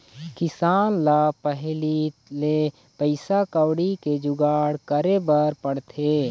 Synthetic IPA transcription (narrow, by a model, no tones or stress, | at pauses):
kɪsaːnlapəɦlile | pəɪsakəwɽiked͡ʒʊɡaːɽkəɾebəɾpəɽt̪ʰeː